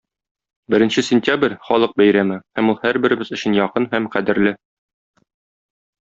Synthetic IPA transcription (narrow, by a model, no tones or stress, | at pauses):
bɘ̆ɾɘ̆nɕɘsʲɪnʲtʲabrʲχɒlˠɤq̚bæjɾæmɘhæmulˠhæɾbɘ̆ɾɘ̆bɘzɵ̆ɕɘ̆njɒqɤnhæmqæd̪ɘ̆ɾlɘ